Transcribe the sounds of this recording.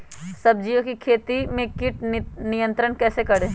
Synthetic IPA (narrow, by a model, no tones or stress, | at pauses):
sɐb̚d͡ʒijõkikʰeːt̪imẽkɪʈnɪjə̃nt̪ɾəɳkɛːsekɐɽẽː